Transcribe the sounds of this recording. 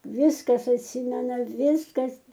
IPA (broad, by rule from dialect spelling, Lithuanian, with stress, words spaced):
ˈʋʲɪskɐs ɐtʲˈsʲɪmʲɛnɐ ˈʋʲɪskɐs